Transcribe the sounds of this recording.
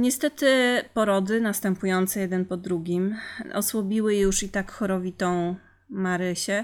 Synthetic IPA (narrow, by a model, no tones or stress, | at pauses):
ɲɛst̪ɛt̪ɘpɔɾɔd̪ɘnast̪ɛmpujɔnt̪sɛjɛd̪ɛnpɔd̪ɾuɡʲimɔ̰swɔbʲiwɘjjuʂit̪akxɔɾɔvʲit̪ɔ̃w̃ | maɾɘɕɛ